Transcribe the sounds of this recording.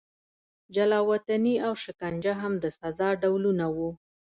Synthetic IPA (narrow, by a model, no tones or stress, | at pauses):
d͡ʒalɑwat̪aniawʃɪkand͡ʒaɦamd̪əsazɑɖawlunawu